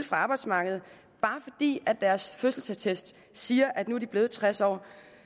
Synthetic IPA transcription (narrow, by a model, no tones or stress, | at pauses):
lfʁɑ̈ɑ̈ːb̥ɑ̈ɪ̥smɑ̈ːɡ̥əð̞̩ˠ | b̥ɑ̈ːfɒ̽d̥ḭːæd̥ːæɐsføsl̩sæt͡sʰesd̥ | siːɐʔæd̥nuæɐd̥ib̥le̝ːð̞̩ˠt͡sʰʁasɒ̰ː